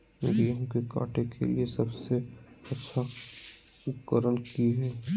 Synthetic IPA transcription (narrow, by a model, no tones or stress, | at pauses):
mḛːɾijɐɦũkeka̰ːʈekʰḛliesɐbse | ɐtːʃʰa | ʊkəɾənkiɦɛː